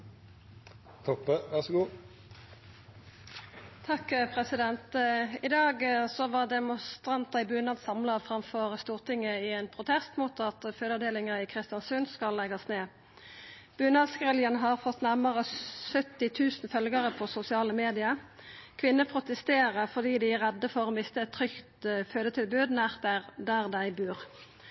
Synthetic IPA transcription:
t̪ʰɔpːəʋæʁsɔɡuː | t̪ʰɑkːpʰʁɛsɪd̪ɛnt̪ɪd̪ɑːɡsɔʋɑʁd̪ɛmʊst̪ʁɑnt̪ɑɪbʉːnɑsɑmlɑfʁɑmfɔʁst̪uːʁt̪ɪŋːəɪɛːnpʰʁʊt̪ʰɛst̪muːt̪ɑt̪føːd̪əd̪eːlɪŋəɪkʰʁɪst̪ɪjɑnsʉnskɑlːɛɡɑsneː | b̥ʉːnɑskʁɛljənɦɑʁfɔt̪ːnæʁməʁəsœt̪ːɪt̪ʰʉːsn̩fœlɡəʁəpʰɔsʊsɪɑːləmeːd̪ɪɑkʰʋɪnːəpʰʁʊt̪əst̪eːʁəʁfɔd̪iːd̪ɪæʁɛd̪ːəfɔɾʁoːmɪst̪əɛt̪ʰːʁʏkt̪føːd̪ət̪ʰɪlbʉːd̪næʁt̪æʁd̪æʁd̪æɪbʉːʁ

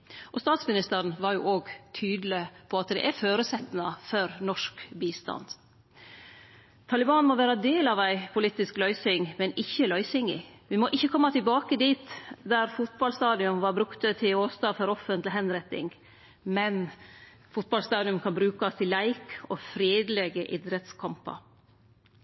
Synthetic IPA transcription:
ʔɔst̪ɑːt̪smɪnɪst̪əɾnʋɑɾjʊʔoːɡt̪ʰyːd̪lɪpʰɔɑt̪d̪ɛ̰ʔæɾføːɾəsɛt̪ːnɑfɔɾnɔʂkbiːst̪ɑ̰nd̪̥ | t̪ʰɑlɪbɑːnmɔʋæːɾɑd̪eːlɑʋæɪpʰʊliːt̪ːɪsklœʏsɪŋmɛnɪçːəlœʏsɪŋɪ̰ʋɪmɔʔɪçːəkʰɔmːɑt̪ʰɪlbɑːkəd̪iːt̪d̪æɾfʊt̪̚bɑlst̪ɑːd̪ɪʉnʋɑɾbɾʉkt̪ət̪ʰɪoːst̪ɑːfɔɾɔfːənt̪lɪɦɛnɾɛt̪ːɪ̰ŋ | mɛn | fʊt̪̚bɑlst̪ɑːd̪ɪʉmkʰɑnbɾʉːkɑst̪ʰɪlæɪkɔfɾeːd̪lɛɡəʔɪd̪ɾɛt̪skʰɑmpɑ̰ɾ

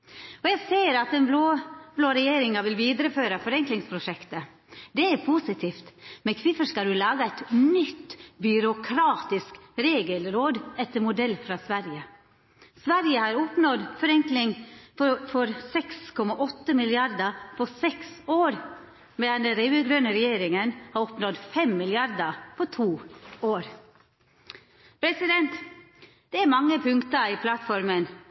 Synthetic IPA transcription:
ɔjæɪseːəɾɑt̪ɛnblobloːɾɛjeːɾɪŋɑʋɪlʋiːd̪ɾəføːɾɑfɔɾɛŋklɪŋspʰɾʊʂɛkt̪ə | d̪ɛæɾpʰusɪt̪ʰiːft̪mɛkʰʋɪfəʂkɑd̪ʉlɑːɡəɛt̪nʏt̪ːbʏɾʊkʰɾɑːt̪ɪskɾeːɡəlɾoːd̪ɛt̪ːəɾmʊd̪ɛlːfɾɑsʋæɾjə | sʋæɾjəhɑːɾɔpnɔd̪fɔɾɛŋklɪŋ | fɔɾsɛkskʰɔmɑʔɔt̪ːəmɪlɪɑɾd̪əpʰɔsɛksoːɾ | mɛd̪ɛnd̪ɛnɾɛʉəɡɾœnəɾɛjeːɾɪŋənhɑːɾɔpnɔd̪fɛmmɪlɪɑɾd̪əpʰɔt̪ʰuːoːɾ | pʰɾɛsɪd̪ɛnt̪ | d̪̥ɛæɾmɑŋːəpʰʉŋkt̪əɪːpʰlɑt̪fɔɾmən

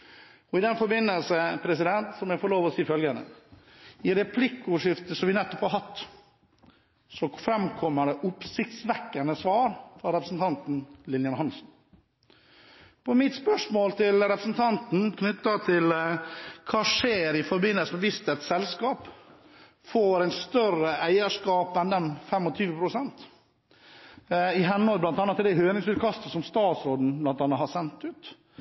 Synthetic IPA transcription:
ɔɪd̪ɛnfɔɾbɪnːəlsəpʰɾɛsɪd̪ɛnt̪sɔmjɛɡfoːɭoːʋɔsiːfœlɡənə̰ | ɪɾɛpʰlɪkːʊʂɪft̪əsɔmʋɪnɛt̪ːɔphɑɾɦɑt̪ː | sɔfɾɛmkʰɔmːəɖɛʔʊpsɪkt̪sʋɛkːənəsʋɑːɾfɾɑɾɛpɾəsn̩t̪ʰɑnt̪n̩lɪnjɑnhɑnsn̩ | pɔmɪt̪spœʂmoːlt̪ʰɪlɾɛpɾəsn̩t̪ʰɑnt̪n̩kʰnʏt̪ːɑt̪ʰɪl | kʰɑːʂeːɾɪfɔɾbɪnːəlsəmɛʋɪst̪ɛt̪sɛlskɑːp | foːɾæɪt̪st̪œɾəʔæɪəʂkɑːpɛnd̪ɛnfɛmːɔt̪ʰyːʋəpʰɾʊsɛnt̪ | ɪɦɛnːɔlblɑnt̪ɑːnːɑt̪ːɪld̪ɛhøːnɪŋsʉːt̪kʰɑst̪əsɔmst̪ɑːt̪sɾoːd̪n̩blɑnt̪ɑːnɑt̪hɑsɛnt̪ʉːt̪

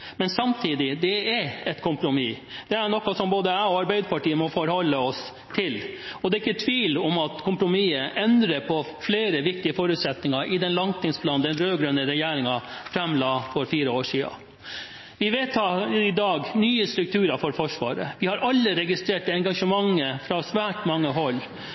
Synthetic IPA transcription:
mɛnsɑmt̪ʰiːd̪ɪd̪ɛɛɛt̪kʰʊmpɾʊmiːd̪̥ɛæɳɔkːɑsɔmboːd̪əæɔɑɾbæɪd̪əpɑʈiːəmɔfɔɾhɔlːəɔs | t̪ʰɪlɔd̪ɛːɾɪkːət̪ʰʋiːlɔmɑt̪kʰʊmpɾʊmiːəʔɛnd̪ɾəpʰɔ | fleːɾəʋɪk̚t̪ɪəfɔːɾʉt̪sɛt̪nɪŋɑʔɪd̪ɛnlɑnt̪ʰɪŋspʰlɑːnd̪ɛnɾøːɡɾønəɾɛjæːɾɪŋɑfɾɛmlɑːfɔɾfiːɾəoːʂiːɑ̰ | ʋɪʋɛt̪ɑɪd̪ɑːɡnyːəst̪ɾʉk̚t̪ʰʉːɾɑfɔɾfɔʂʋɑ̰ːɾə̰ʋɪhɑɾʔɑlːəɾɛɡɪst̪ɾeːʈəɛŋɡɑʂəmɑŋːəfɾɑsʋæːʈmɑŋːəɦɔlː

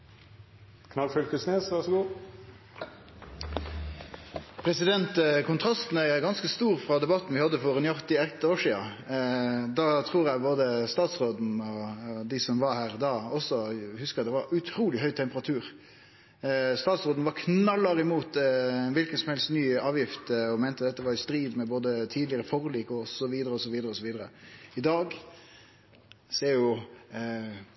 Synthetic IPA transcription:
kʰnɑlfʏlkəsneːsʋæʂɔɡuː | pʰɾɛsɪd̪ɛnt̪kʰʊnt̪ʰɾɑst̪n̩æɡɑnskəst̪uːɾfɾɑd̪ɛbɑt̪ːn̩ʋɪhɑd̪ːəfɔɾɛnjɔʁt̪ɪɛt̪oːʂiːɑ | d̪ɑːt̪ʰɾuːɾjæɪboːd̪əst̪ɑːt̪sʁoːd̪n̩ɔd̪ɪsɔmʋɑhæːɾd̪ɑːɔsɔhʉskəd̪ɛʋɑɾʉt̪ʰɾuːlɪɦœʏt̪ʰɛmpəʁɑt̪ʰʉːɾ | st̪ɑːt̪sʁoːd̪n̩ʋɑɾkʰnɑlːɑɾɪmuːt̪ʋɪlkənsɔmhɛlst̪nyːɑːʋjɪft̪ɔmɛɪnt̪əd̪ɛt̪ːəʋɑɾjʊst̪ɾiːd̪mɛboːd̪ət̪ʰiːd̪lɪəɾəfɔʁliːkɔsɔʋiːd̪əɾəɔsɔʋiːd̪əɾəɔsɔʋiːd̪əɾəɪd̪ɑːɡ | seːɾjʊ

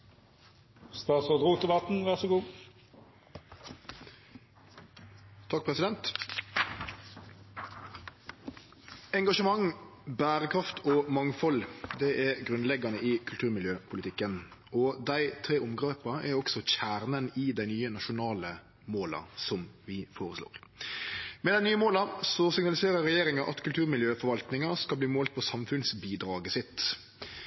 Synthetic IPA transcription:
st̪ɑːsɔd̪ʁuːt̪ɛbɑt̪n̩ʋæʁsɔɡuː | t̪ʰɑk̚pʰʁɛsɪd̪ɛnt̪ | ɛŋɡɑʃəmɑŋbæːʁəkʰʁɑft̪ʰɔmɑŋfɔld̪ɛʔɛɡʁʉnlɛɡɑnəʔɪkʰʉlt̪ʰʉːɾmɪljøːpʰʊlɪt̪ɪkːən | ɔd̪æɪt̪ʰɾeːʊmɡɾeːpɑʔɛɾɔksɔçæːɾnənɪd̪æɪnyːənɑʃʊnɑːlə | moːlɑ̰sɔmʋɪfoːɾəslo̰ːɾ | mɛd̪æɪnyːəmoːlɑsɔsɪɡnɑlɪseːɾəɾɾɛjeːɾɪŋɑʔɑt̪kʰʉlt̪ʰʉːɾmɪljøːfɔɾʋɑlt̪nɪŋɑskɑlbliːmoːlt̪̚pʰɔsɑmfʉnsbiːd̪ɾɑːɡəsɪt̪

